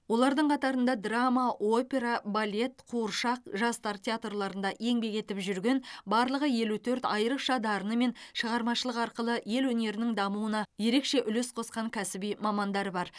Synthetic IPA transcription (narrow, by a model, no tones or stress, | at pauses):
wo̞lˠɑɾd̪əɴqʰɑt̪ɑɾənd̪ɑd̪ramaʔo̞pʲe̞ɾabalʲe̞t̪qʰuəɾʃɑqʒɑst̪ɑɾt̪ʲʰeat̪rlˠɑɾənd̪ɑʔe̞ŋbe̞ket̪ɪpʒʏɾɡʲe̞nbɑɾlˠəʁəje̞lut̪ʰɵɾt̪ɑjəɾəqʃɑd̪ɑɾənəme̞nʃəʁɑɾmɑʃəlˠəqɑɾqəlˠəje̞lwɵne̞ɾɪnɪŋd̪ɑmuwənɑje̞ɾe̞kʃe̞ʔʏlesqʰo̞sqɑŋkʲʰæsɪbijmɑmɑnd̪ɑɾəbɑɾ